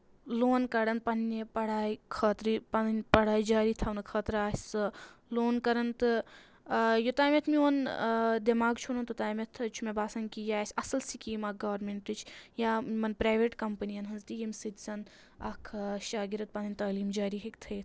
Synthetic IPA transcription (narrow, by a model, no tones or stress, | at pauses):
loːnkɐɾɐnpɐnːepɐɽaːjikʰɐːt̪ɾipɐnpɐɽaːid͡ʒaːɾit̪ʰɐwnkʰɐːt̪ɾaːsʲɨloːnkɐɾɐnt̪ɨ | jot̪aːmet̪ʰmiond̪imaːɡt͡ʃʰunɐnt̪ut̪aːjmɐt̪ʰt͡ʃʰumebaːsɐŋkijaːsʲɐsɐlsikiːmaɡɐʋɐɾmeɳʈɨt͡ʃʰjaːmɐnpɾaːʋeʈkɐmpɐniɐnɦɐnzt̪ijimsɨt̪sɐn | ɐkʰʃaːɡiɾɐt̪̚pɐnɐnʲt̪aːliːmd͡ʒaːɾiɦekt̪ʰɐjt̪ʰ